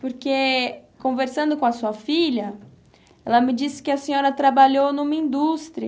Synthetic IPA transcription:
poɾkekõveɾsɐ̃nd̪ʊkõɐsuɐfiʎɐ | ɛlɐmɪd͡ʒisɪ̥kɪɐsẽɲɔɾɐt̪ɾabaʎownũmɐĩd̪ust̪ɾiɐ

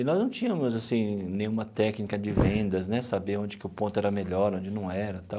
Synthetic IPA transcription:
ɪnɔznɐ̃w̃t͡ʃĩɲɐmʊzasĩnẽj̃ũmɐt̪ɛknikɐd͡ʒɪvẽnd̪ɐznɛsabeɾõnd͡ʒɪkɪʊpõnt̪ʊɛɾɐmeʎɔɾõd͡ʒɪnɐ̃w̃ɛɾɐt̪aw

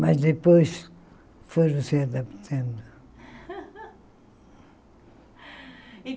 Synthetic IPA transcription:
mɐʒðɨpojʃ | fojɾuseɐðɐpt̪ʰɐ̃nd̪u

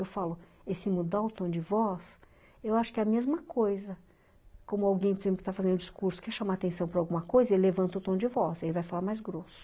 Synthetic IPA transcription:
ewfalʊ | esĩmud̪aɾʊt̪õd͡ʒɪvɔs | ewaʃʊ̥kɛɐmezmɐkojzɐ | kõmʊawɡẽj̃poɾezẽplʊkɪt̪afazẽnd̪ʊd͡ʒɪskuɾsʊ̥kɛʃamaːt̪ẽsɐ̃w̃pɾɐawɡũmɐkojzɐelɪlevɐ̃nt̪ɐʊt̪õd͡ʒɪvɔselɪvajfalaɾmajzɡɾosʊ̥

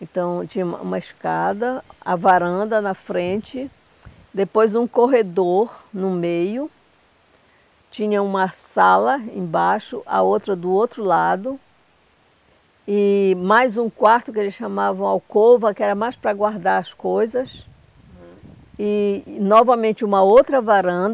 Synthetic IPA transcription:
ẽnt̪ɐ̃w̃t͡ʃĩɲɐmɐ̰ṵ̃mɐeʃkad̪ɐa̰vaɾɐ̃nd̪ɐnɐfɾẽt͡ʃɪ | d̪epojzũkoɦed̪oɾnʊmejʊ | t͡ʃĩɲɐũmɐsalɐẽbaʃʊ̰ʔa̰owt̪ɾɐd̪ʊowt̪ɾʊlad̪ʊ | ɪmajzũkwaɾt̪ʊkɪelɪsʃamavɐ̃w̃awkovɐkɪɛɾɐmajspɾɐɡwaɾd̪aɾɐskojzɐs | ɪnɔvɐmẽnt͡ʃɪũmɐowt̪ɾɐvaɾɐ̃d̪

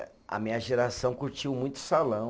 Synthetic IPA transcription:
ɐ̰mĩɲɐʒeɾasɐ̃w̃kuɾt͡ʃiwmũj̃t̪ʊ̥salɐ̃w̃

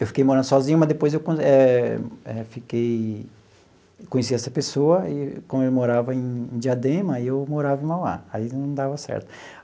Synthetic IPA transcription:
ewfi̥kejmoɾɐ̃nd̪ʊsɔzĩɲʊmɐzd̪epojzewkõɛ | ɛfikej | kõɲes̬iɛsɐpesoɐɪkõmelɪmoɾavɐẽj̃d͡ʒiad̪ẽmɐiewmoɾavɐ̃mawla̰ainɐ̃w̃d̪avɐsɛ̰ɾt̪ʊ̥

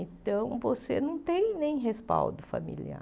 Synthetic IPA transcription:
ẽt̪ɐ̃w̃vosenɐ̃w̃t̪ẽj̃nẽj̃ɦespa̰wd̪ʊfa̰mḭlia̰

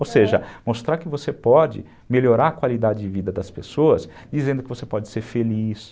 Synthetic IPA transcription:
owseʒɐmost̪ɾaɾkɪvosepɔd͡ʒɪ̰ | meloɾaɾɐkwalid̪ad͡ʒɪd͡ʒɪvid̪ɐd̪ɐspesoɐs | d͡ʒizẽnd̪ʊkɪvosepɔd͡ʒɪ̥seɾfelis

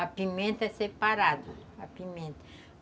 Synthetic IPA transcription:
ɐpimẽnt̪ɐɛsepaɾad̪ɐɐpimẽnt̪ɐ̥

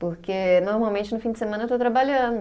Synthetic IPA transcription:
poɾkenoɾmawmẽnt͡ʃɪnʊfĩd͡ʒɪsemɐ̃nɐet̪ot̪ɾabaʎɐ̃d̪ʊ

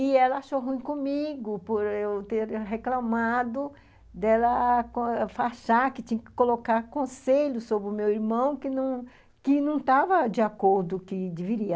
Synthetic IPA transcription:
ɪɛlɐaʃoɦũĩkõmiɡʊpoɾewt̪eɾɦeklɐ̃mad̪ʊ | d̪ɛlɐkõfaʃaɾkɪt͡ʃ̪ĩɲɐkɪ̥kolokaɾkõseʎʊsobɾɪʊmewiɾmɐ̃w̃kɪnɐ̃w̃ | kɪnɐ̃w̃t̪avɐd͡ʒɪakoɾd̪ʊkɪd͡ʒɪviɾiɐ

